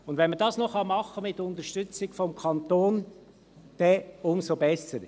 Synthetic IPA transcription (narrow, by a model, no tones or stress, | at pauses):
ʊnd̪vɛnmədɑːsnɔχɑmɑχːəmɪt̪ːʊnt̪əɾʃtʏt͡sɪɡfɔmkʰɑnt̪oːn | d̪̥ɛʊmsobɛsəɾ